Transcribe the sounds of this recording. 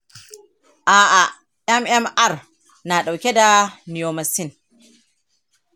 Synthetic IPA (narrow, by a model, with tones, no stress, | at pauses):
ʔaː˨ʔa˨ | ʔɛ˦mʔɛ˦mʔa˦r | na˨ɗa˨wkʲɛ˦da˨ni˨jo˨ma˨si˦n